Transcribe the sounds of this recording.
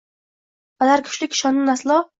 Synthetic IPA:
balaɾkʲʰʊ̥ʃlɪkʲʃɒnʊnaslˠɒ

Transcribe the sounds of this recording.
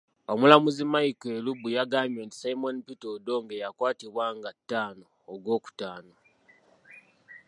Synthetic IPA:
omulamuzimaikelubujaɡaːmjoːnti̥saimonpitodo̞ŋɡejakwaːtiβwaːŋɡatːaːnoːɡwo̞ːku̥taːno̞

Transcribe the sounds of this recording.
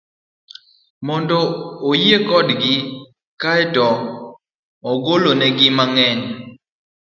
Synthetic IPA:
mɔndɔojekɔdɡɪ | kaɛtɔ | ɔɡolonɛɡɪmaŋɛn

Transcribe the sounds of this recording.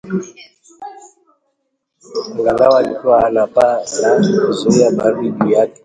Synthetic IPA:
lalawatʼwalapʼa | zɔjabaribija

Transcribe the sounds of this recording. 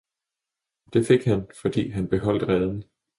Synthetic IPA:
d̥e̝fe̝ɡ̥hænfɒ̽d̥ḭːɦænb̥e̝ɦɒ̽l̰d̥ʁɛð̞ˠn̩

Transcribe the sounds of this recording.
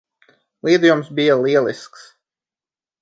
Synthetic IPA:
lˠiːd̪ujumsbijalˠiɛlˠisks

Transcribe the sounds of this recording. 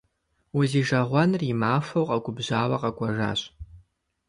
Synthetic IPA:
wʊziːʒɐʁʷɔnrimaːfɐwqʼɐɡʷʼʊbʑaːwɐqɐkʷʼɐʒa̰ːɕʼ

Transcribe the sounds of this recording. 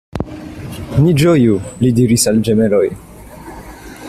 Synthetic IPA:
nid͡ʒojulidiɾisald͡ʒe̞melo̞j

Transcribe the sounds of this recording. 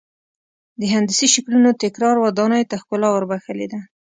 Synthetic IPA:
d̪əɦand̪əsiʃaklunot̪ɪkɾɑɾwad̪ɑnəjt̪axkʊlɑwəɾbaxəled̪a

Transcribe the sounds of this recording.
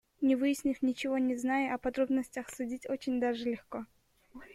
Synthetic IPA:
nʲɪvɨjɪsʲnʲɪfʲnʲɪt͡ɕɪvo̞nʲɪznajʊʔɐpɐd̪ɾo̞bnəsʲtʲəxsʊdʲitʲot͡ɕɪnʲd̪aʐɨlʲɪxko

